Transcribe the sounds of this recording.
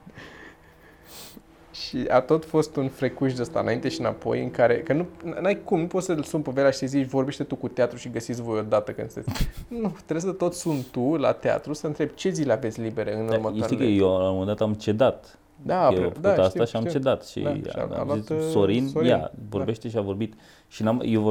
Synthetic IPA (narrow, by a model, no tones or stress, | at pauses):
ʃia̰t̪o̞t̪fo̞st̪unfɾekuʃd̪əst̪a̰ɨnaint̪e̞ʃinapo̞̰jɨ̰ŋkaɾe̞kənunanajkumnupot̪səlsumpəve̞ɾʲaʃi̥sezit͡ʃʲvo̞rbe̞ʃt̪e̞t̪ukut̪eat̪ɾuʃiɡəsit̪sʲvo̞jo̞d̪at̪əkɨnd̪st̪et̪sʲnut̪eesət̪o̞t̪sunt̪ula̰t̪ea̰t̪ɾusəɨnt̪ɾe̞bt͡ʃe̞zileavet̪sʲlibe̞ɾeɨnuɾmətat̪ikəjewalaomend̪at̪amt͡ʃe̞d̪at̪ | d̪aefd̪uaast̪aʃiamt͡ʃe̞d̪at̪ʃḭa̰a̰lasoɾinjavoɾbeʃt̪eʃiavo̞ɾbit̪ | ʃinajevo